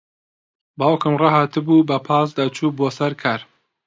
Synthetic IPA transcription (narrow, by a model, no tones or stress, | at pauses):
bɑːwkɨmrɑhaːt̪ɨbuːbɐpʰɑːsd̪at͡ʃʰuːboːsɐɾkʰaɾ